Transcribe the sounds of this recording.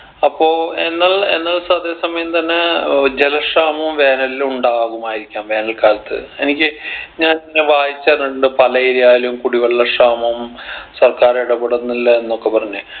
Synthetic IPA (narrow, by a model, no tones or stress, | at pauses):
ɐpːo̞ːenːaɭḛnːaːɭsɐðe̞ːsɐmɐjɐmt̪ɐnːed͡ʑelɐʂaːmɐmʋe̞ːnɐliluɳɖaːɣumaːjiɾikʲːaːmʋe̞ːnɐlkaːlɐt̪ːɨ̰e̞nikʲːɨɲaːninːeʋaːjit͡ɕːaːrnːɐɽuɳɖɨpɐlɐiɾijaːjlumkuɽiʋɐɭːɐʂaːmɐmsɐrkaːɾjɽɐpuɽɐnːilːɐenːokːe̞pɐrɐɲːɨ